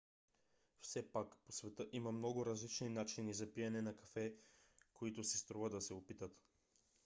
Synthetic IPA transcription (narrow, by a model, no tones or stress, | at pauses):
fsɛpakposvɛt̪əʔimɐmnɔɡʊɾɐzlit͡ʃninat͡ʃinizɐpijɛnɛnɐkɐfɛkoit̪ʊsist̪ɾuvəd̪ɐsɛopit̪ət̪